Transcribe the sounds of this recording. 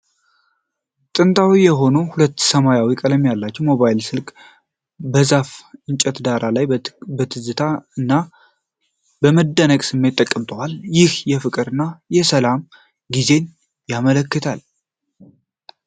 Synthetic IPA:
t̪ʼɨnt̪ʼʰawijɛɦo̞nuhulət̪ːsəmajawikʼələmjalːat͡ʃːɛwmo̞βajlsɨlkʼ | bəzafʔɨnt͡ʃʼɛt̪d̪aɾalajbət̪ʰɨzɨt̪ʰaɨnːa | bəməd̪ːənəkʼsɨmːe̞t̪ʼːəkʼːəmt̪ʼʰəwaljɪhjɛfɨkʼɨɾɨnːajɛsəlam | ɡize̞n | jamələkːɨt̪ʰal

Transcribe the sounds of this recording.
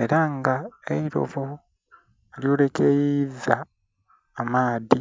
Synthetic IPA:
e̞ɾaŋɡaeiɾo̞̰vo | eljo̞ːle̞kejizaː | maːði

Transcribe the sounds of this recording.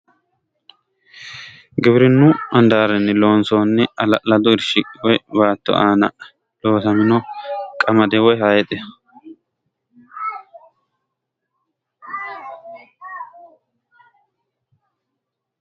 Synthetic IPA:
ɡɪbɾɪnːuɐnd̪aːɾɛnːɪlo̞ːnsoːnːɪɐlɐʔlɐd̪ʊɪɾʃɪkʼɪwɔjbaːt̪ːɔ̰ʔaːnɐ | lo̞ːsɐmɪnɔkʼɐmɐd̪ɛwɔjhaːjɛt̪ʼɛ

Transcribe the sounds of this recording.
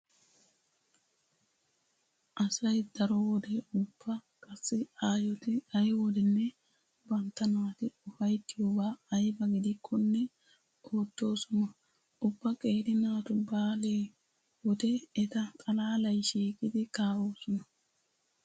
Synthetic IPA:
ʔɐsɐjd̪ɐɾɔwɔd̪eʊbːɐ | kʼɐsːɪaːjɔt̪ɪɐjwɔd̪ɛnːɛ | bɐnt̪ːɐnaːt̪ɪʊfɐjt̪ːɪjoːbaːɐjbɐɡɪd̪ɪkʰːɔnːɛ | oːt̪ːo̞ːsɔnɐ | ʔʊbːɐkʼeːd̪ɪnaːt̪ʊbaːleː | wɔd̪ɛɛt̪ɐkʼɐlaːlɐjʃiːkʼɪd̪ɪkaːwoːsɔnɐ

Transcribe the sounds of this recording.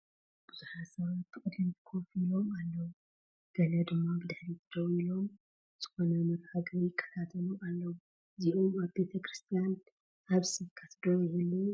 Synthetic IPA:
b̥ɨzuħasɐβat̪ːɨkʼɨd̪ːɨmt̪ʰɨ̥kʰofilo̞malːɐwu | ɡ̥ɐlɐd̪ɨmːabɨd̪aħɾit̪ʰɨd̪owilo̞m | z̥ɨxo̞nɐmɐɾhaɡɐjɪkʰːɐ̥t̪ʰat̪ʰɐlualːɐwu | ziʔomaβbe̞t̪ʰɐkʰɾɨst̪ʰijan | ʔaβsɨβkʰɐt̪ʰd̪owjjɛlːi

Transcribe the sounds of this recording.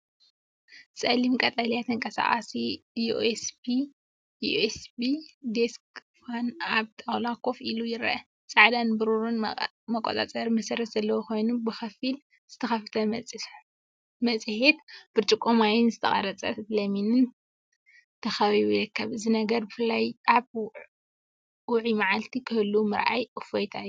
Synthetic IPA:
t͡sʼɐlimkʼɐt̪ʼalijat̪ʰɐŋkʼɐsa̰χʼa̰siuʔesbi | uesbid̪eskfanaβt̪ʼawlakʰʼo̞filujɪɾɐʔɐ | t͡sʼaʕd̪anbɨɾuɾun | mɐkʷʼːot̪ʼa̰t͡sʼɐɾmɐsɐɾɐt̪z̥ɐlːɐwoko̞jnubɨxɐfil | z̥ɨt̪ʰɐxɐft̪ʰɐmʼ | mɐt͡sʼhet̪b̥ɨɾt͡ʃʼɨkʼːomajɪnzɨt̪ʰɐχʼɐ̰ɾɐt͡sʼɐ̰t̪lɐminɨn | t̪ʰɐxɐβiɾɐt̪̚kʰːɐβɨzinɐɡɐɾbɨfɨlːajaβ | wʊʕimaʕalt̪ʰikʰɨhɨlːumɨɾʔa̰jʔɨfojt̪ʰajːu

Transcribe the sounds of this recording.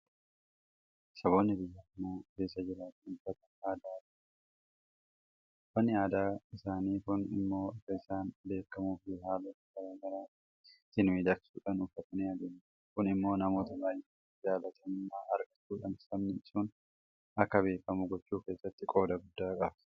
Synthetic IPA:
sɐβo̞ːnːɪbɪjːɐmːoːke̞ːs̬ːɐd͡ʒɪɾaːt̪ɪnʊfɐt̪ɐaːd̪aːɐ̥ | fɐnːɪaːd̪aːɪsaːniːkʊnɪ̰mːo̞ːɐkːɐɪsaːnbe̞ːkːɐmuːfɪhaːlɐtkɐɾaːɡɐɾaː | t̪ɪnmiːd̪ɐksuːᶑɐnʊfːɐt̪ɐnɪɐd̪eːn | kʊnɪmːo̞ːnɐmo̞ːt̪ɐbaːjɛ | d͡ʒaːlɐt̪ʰɐmːaːʔɐɾkɐt͡ʃːuːᶑɐnsɐmnɪsuːn | ɐkːɐβe̞ːkːɐmʊɡɔt͡ʃːuːke̞ːsːɐt̪ːɪkʼo̞ːd̪ɐɡʊd̪ːaːkʼɐb̥

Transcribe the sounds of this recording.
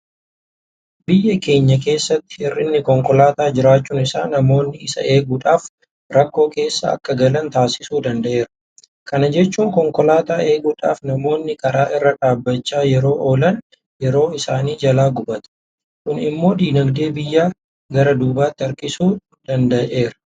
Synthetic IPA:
bɪjːɐke̞ːɲːɐk̬e̞ːsːɐt̪ːɪ̥ɪrːɪnːɪkɔŋkɔlaːt̪aːd͡ʒɪɾaːt͡ʃːuːnɪsa̰ːnɐmo̞ːnːɪɪsɐ̰ʔe̞ːɡuːᶑaːf | ɾɐkːo̞ːke̞ːsːɐɐ̰kːɐɡɐlɐnt̪aːsɪ̥suːd̪ɐnd̪ɐʔe̞ːɾɐ̥ | kɐnɐd͡ʒɛt͡ʃːuːŋkɔŋkɔlaːt̪aːʔe̞ːɡuːᶑa̰ːfnɐmo̞ːnːɪkɐɾaːʔɪrːɐᶑaːbːɐt͡ʃːaːjɛɾo̞ːʔoːlɐn | jɛɾo̞ːɪsaːniːd͡ʒɐlaːɡʊbɐt̪ɐ̥ | kʊnɪ̰mːo̞ːd̪iːnɐɡd̪e̞ːbɪjːaː | ɡɐɾɐd̪uːbaːt̪ːɪɐɾkɪsuː | d̪̥ɐnd̪ɐʔe̞ːɾɐ̥

